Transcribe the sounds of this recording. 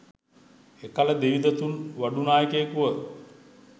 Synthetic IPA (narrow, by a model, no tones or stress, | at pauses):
ekaləd̪eʋid̪ət̪unʋaɖunaːjəkeːkuʋət̪